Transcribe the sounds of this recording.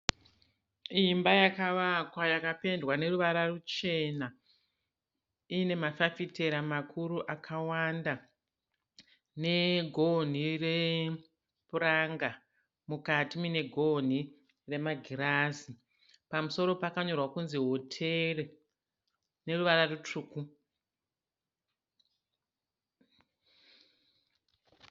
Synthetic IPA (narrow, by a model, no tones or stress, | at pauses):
imbajakaʋakwajakape̞ndwane̞ruʋaɾarut͡ʃe̞na | ine̞mafafite̞ɾamakʰuɾuʔakʰawanda | ne̞ɡʱo̞n̤ire | puɾaŋɡa | mukatimine̞ɡʱo̞n̤i | re̞maɡʱiɾazi | pamuso̞ɾo̞pakaɲo̞rwakunziɦo̞tʰe̞re | ne̞ruʋaɾarut͡ʂuːku